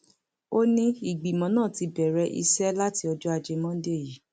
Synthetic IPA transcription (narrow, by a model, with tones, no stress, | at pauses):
o˦nĩ˦i˨ɡ͡bi˨mɔ̃˨˦nãː˦˨ti˧bɛ˨ɾɛ˧˦ʔḭ˧sɛ˦la˦ti˧ɔ˧d͡ʒɔ˦a˧d͡ʒe˧mɔ̃˦de˦˨ji˨˦